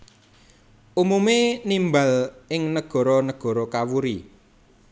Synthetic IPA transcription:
ʔumumenimbalʔɪŋnəɡ̥ɔ̤ɾɔnəɡ̥ɔ̤ɾɔkawuɾi

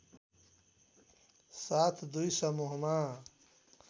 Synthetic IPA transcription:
saːt̪ʰd̪uisɐmuɦmaː

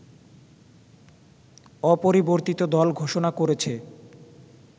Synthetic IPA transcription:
ɔpoɾiboɾt̪it̪od̪ɔlɡʱoʃonakoɾet͡ɕʰe

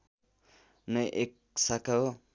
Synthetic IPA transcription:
nʌʔek̚ | sakao

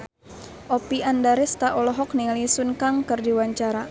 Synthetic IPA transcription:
ʔopiʔandaɾɛst̪aʔɔlɔɦɔk̚niŋalisunkaŋkɨrdiwaɲt͡ʃaɾa

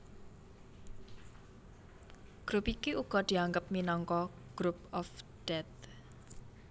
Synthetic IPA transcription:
ɡ̥ɾupikiʔuɡ̥ɔ̤d̪̥i̤aŋɡəp̚minɔŋkɔ | ɡ̥ɾupɔfɖ̥ɛt̪̚

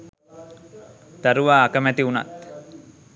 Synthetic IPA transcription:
t̪aɾuʋaːkəmæt̪iuna̰t̪

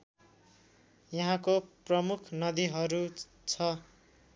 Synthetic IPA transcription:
jʌɦãkoprʌmukʰnʌd̪iɦʌɾu | t͡sʰʌ

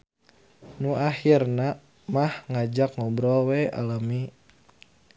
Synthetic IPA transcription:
nuahirna | mahŋad͡ʒakŋɔbɾɔwɛa̰lami

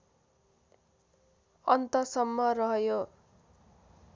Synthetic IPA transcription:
ʌnt̪ʌsʌmːʌrʌɦjo

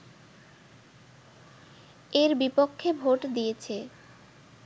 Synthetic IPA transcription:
eɾbipokʰːebʱoʈd̪ijet͡ɕʰe

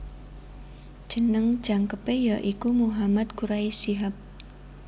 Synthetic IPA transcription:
d͡ʒʒ̥ə̤nəŋ̥d͡ʒ̥aŋkəpejaʔikumuɦamat̪̚kuɾaisiɦap̚

